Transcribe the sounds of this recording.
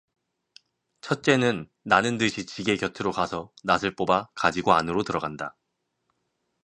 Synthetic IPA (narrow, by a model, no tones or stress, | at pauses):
t͡ɕʰʌt̚t͡ɕ͈e̞nɯnː | anɯndɯɕʰit͡ɕiɡe̞kjʌtʰɯɾokasʰʌnasʰɯɭp͈obakad͡ʑiɡoanɯɾotɯɾʌɡanda